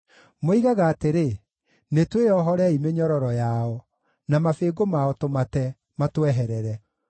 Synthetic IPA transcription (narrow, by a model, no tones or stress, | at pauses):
moiɣaɣaːteɾe | netweɔɦɔɾɛimeɲɔɾɔɾɔjaɔ | namafeɡomaɔtomatɛ | matwɛɦɛɾɛɾɛ